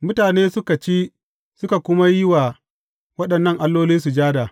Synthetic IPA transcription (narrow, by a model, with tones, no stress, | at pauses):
mʊ˦taː˨neː˦sʊ˦ka˨t͡ʃeː˦ | sʊ˦ka˨kʷʊ˦ma˦jɪ˦wa˨ | wɐ˦ɗɐ˨nːɐ˦˨ŋʔa˦lːoː˦liː˦su˨d͡ʒaː˦daː˨